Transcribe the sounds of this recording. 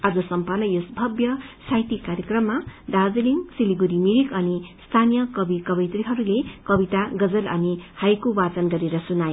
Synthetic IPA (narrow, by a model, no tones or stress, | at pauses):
ad͡zʌsʌmpʌnːʌjosbʱʌbjʌsajt̪ikaɾjʌkrʌmːad̪ad͡zliŋsiliɡuɾimiɾikʌnist̪ʰanijʌkʌbikʌbʌjt̪riɦʌɾulekʌbit̪aɡʌd͡zʌlʌ̰nihajkobat͡sʌnɡʌɾeɾʌsunajo